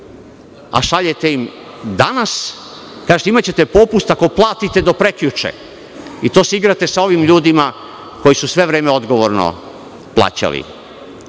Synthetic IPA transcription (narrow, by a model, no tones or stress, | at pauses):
a̰ʃaʎet̪eim | d̪anas | kaːʒet̪eimat͡ɕe̞t̪e̞popust̪ako̞plˠaːt̪it̪e̞d̪o̞pɾekʎut͡ʃḛ | it̪oːseiɡɾat̪esao̞ʋimʎuːd̪ima | ko̞jisusʋe̞ʋɾe̞ːmeo̞d̪ɡo̞ʋoɾno̰ | plˠa̰ːt͡ɕa̰lḭ